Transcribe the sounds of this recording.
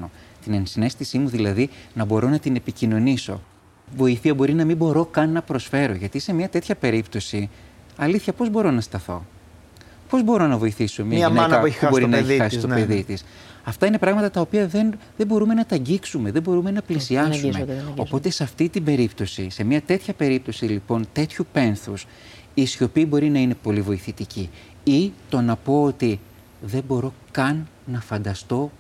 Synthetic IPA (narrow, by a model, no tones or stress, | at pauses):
ot̪inensine̞st̪isimuðilɐðinɐbo̞ɾo̞nɐt̪ine̞picino̞niso̞̰ | vo̞iθiɐbo̞ɾinɐmibo̞ɾo̞kɐnːɐpɾo̞sfe̞ɾo̞ʝɐt̪ise̞mɲɐt̪e̞t̪çɐpe̞ɾipt̪o̞si | ɐliθçɐpo̞zbo̞ɾo̞nɐst̪ɐθo̞̰ | po̞zbo̞ɾo̞nɐvo̞iθisomiɐnɐnɐeubo̞ɾinɐeçixɐsist̪opeðit̪is | ɐft̪ɐine̞pɾɐɣmɐt̪ɐt̪ɐo̞piɐðe̞nðebo̞ɾume̞nɐt̪ɐɲɟiksume̞ðe̞bo̞ɾume̞nɐplisiɐsumeo̞̰po̞t̪e̞sɐft̪it̪ibe̞ɾipt̪o̞sise̞mɲɐt̪e̞t̪çɐpe̞ɾip̚t̪o̞silipo̞nt̪e̞t̪çupe̞nθus | isio̞piːbo̞ɾinɐine̞po̞livo̞iθit̪ici | it̪o̞nɐpo̞ot̪i | ðe̞mbo̞ɾo̞kɐnːɐfɐnd̪ɐst̪o̞